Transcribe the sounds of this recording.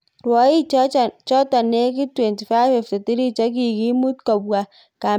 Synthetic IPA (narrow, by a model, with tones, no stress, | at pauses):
rwɔ˨˦i˦t͡ʃɔ˦ta˨ne˦k̬i˦twɛ˨nti˨fa˦fɛ˨fte˨ti˦ɾi˦t͡ʃɔ˦k̬i˨ki˦mu˦tkɔ˨bwa˨ | ka˨